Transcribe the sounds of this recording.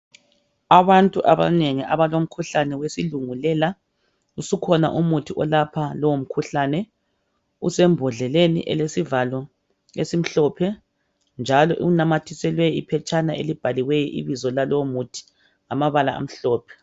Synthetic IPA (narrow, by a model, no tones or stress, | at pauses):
aβantʼuʔaβa̰neŋiʔaβalom̩kʰuɬanɛwesiluŋulɛla | usukʰɔna̰ʔumutʰiʔɔlapʰalɔwom̩kʰuɬaːnɛ | ṵsɛmbʱɔɮɛlenḭʔɛ̰lesivalɔ | esim̩ɬɔːpʰɛ | nd͡ʒʱalɔʔṵɣunamatʰisɛlwɛjipʰɛt͡ʃʰʼanaʔelib̥ʱaliwɛjɔʔḭβizɔlalɔwomutʰi̥ | amaβalaa̰m̩ɬɔːpʰɛ̥